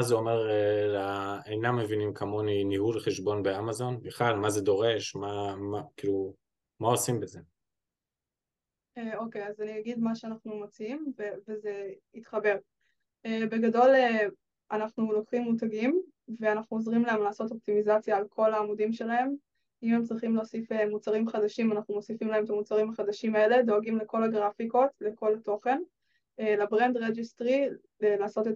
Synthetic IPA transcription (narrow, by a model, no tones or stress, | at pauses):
azeo̞meʁelaejnamːe̞vinimkʰamo̞ninihulχeʃbo̞nbeamazo̞nbiχlalmaze̞do̞ʁe̞ʃmamakilu | maosimbeze̞ | eo̞kejazaniaɡidmaʃeanaχnumot͡siimveveze̞it̪χɐbe̞ʁ | eːbe̞ɡado̞le | anaχnulo̞kχimːut̬aɡim | ve̞anaχnuozʁimlaemlaːso̞to̞p̚timizat͡sjaːlkʰo̞laːmudimʃelae̞m | imemt͡sʁiχimleosifemut͡saʁimχadaʃimanaχnumo̞sifimlaemet̪amut͡saʁimaχad̪aʃimae̞le̞do̞aɡimleko̞laɡʁafiko̞tle̞ko̞lato̞χe̞n | elabʁendʁed͡ʒistʁi | elaːso̞te